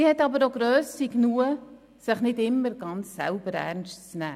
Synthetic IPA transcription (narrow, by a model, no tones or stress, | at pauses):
ihɛtːɑbəɾoɡɾøːsiknuə | sɪχnɪdɪmːəɾɡ̥ɑnt͡ssɛ̰lbəɾæ̰ɾnstt͡snæː